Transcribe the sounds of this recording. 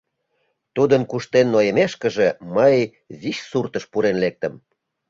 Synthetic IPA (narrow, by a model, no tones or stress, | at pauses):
t̪ud̪ənkuʃt̪enːojəmeʃkə̆ʒeməj | ziʃsurt̪əʃpuɾenlek̚t̪ə̆m